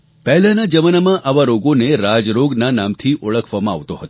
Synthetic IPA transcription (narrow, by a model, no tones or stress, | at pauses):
pɛɦlãnəd͡ʒəmənamãʔaʋaɾoɡoneɾad͡ʒɾoɡnanamt̪ʰiʔʊɭəkʰʋamã̰ːʋt̪oɦət̪o